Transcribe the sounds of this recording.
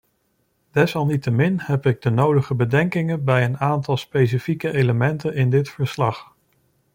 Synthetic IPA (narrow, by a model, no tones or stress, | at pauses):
d̥ɛsɑlˠnitəmɪnhɛpɪɡ̚dənowdəχəbədɛŋkɪŋənbɛjənaːntɑlˠspejs̬ifikəʔejləmɛntənɪndɪtfəɹslɑχ